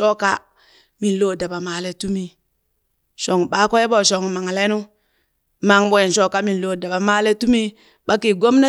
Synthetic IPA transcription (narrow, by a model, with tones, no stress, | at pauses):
o˦ka̰˦ | mi˨n˨lo˦˨da˨ba˨ma˨le˦tu˦mi˦ | ʃo˨ŋɓa˦ko˦je˦bo˦˨ʃo˨ŋma˨ŋ˨le˦nu˦ | ma˨ŋbo˨je˨nʃo˦ka˦mi˨nlo˨da˨ba˨ma˦le˦tu˦mi˦ | ɓa˦ki˨ɡo˦mna˦